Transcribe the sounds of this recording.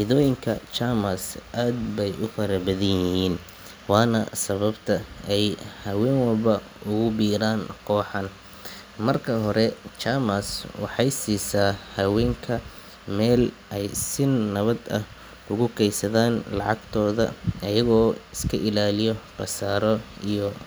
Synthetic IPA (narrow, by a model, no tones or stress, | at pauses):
ɪðɔːjɪŋkʰɐt͡ʃamɐsʔaːd̪bɛjʔʊfɐɾɐbɐðɐjɪhiːn | wɑːnɐ̰sɐβɐbt̪ʰɐɛjhɐwɛːŋwɐlbɐ | ʊɣʊbiːɾaːnkʰɔːħɑn | mɐrkʰɐɦɔɾɛt͡ʃaːmɐswɑ̰ħɑjsiːsaːhɐwɛːŋkʰɐ | mɛːlʔɛjsɪnːɐβɐd̪ɐ̰h | ʊɣʊkʰɛjsɐðaːnlɑʕɑ̰ɡt̪ʰɔːðɐ̰ɐjɐɣɔːɪskʰɐʔɪlaːlɪjɔqɑsaːɾɔijɔ